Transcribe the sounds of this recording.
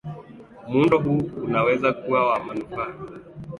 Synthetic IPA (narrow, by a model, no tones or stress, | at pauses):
mundɔɦuunawɛzakuwawamanufaːa